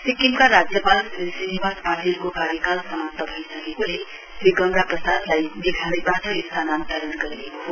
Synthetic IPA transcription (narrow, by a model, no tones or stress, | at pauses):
sikimkaɾad͡ʒjəpalsinibaspaʈilkokaɾjəkalsəmap̚t̪əbʱəjsəkekole | sɾiɡəŋɡapɾəsad̪laib̪ikʰanebatəist̪ʰanant̪aɾənkəɾileko